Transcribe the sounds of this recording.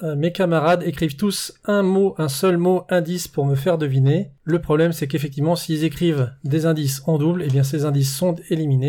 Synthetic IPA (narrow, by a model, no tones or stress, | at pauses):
mekamaʁad̪ekχivt̪usɛ̃moʔɛ̃sœlmoɛ̃d̪ispuʁməfɛʁd̪əvineləpχɔblɛmsɛkefɛk̚t̪ivmɑ̃silzekχivd̪ezɛ̃d̪isɑ̃d̪ublebjɛ̃s̬ezɛ̃d̪isːɔ̃t̪elimine